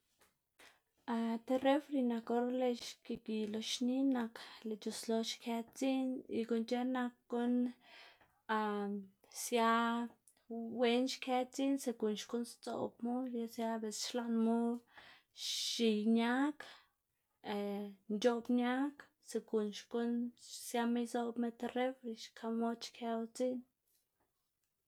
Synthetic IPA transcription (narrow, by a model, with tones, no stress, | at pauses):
a˧t̪e˦ɾe˦fɾi˧na˧ko˧˦ɾle˧ʃke˧ki˧lo˧ʃni˦na˧kle˨t͡ʃo˧slo˧ʃkʰe˦t͡si˦nḭ˧ko˧nt͡ʃe˦na˧kːo˦n | a˧ | sja˦ | we˧nʃkʰe˦t͡si˦nse˧ku˨nʃko˦nst͡so̰˨bmu˦ja˧sja˦be˨sʃla˦nmu˦ | ʃi˧jɲa˦k | nt͡ʃo˦bɲa˦k | se˧ku˨nʃko˦nsja˧me˦jso˦bme˧t̪re˦wi˧ʃkʰa˧mo˦t͡ʃkʰe˧wt͡si˦n